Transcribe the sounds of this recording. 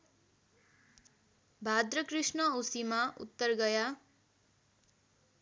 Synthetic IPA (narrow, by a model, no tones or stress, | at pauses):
bʱad̪rʌkrisnʌosimaʔṵt̪ːʌrɡʌja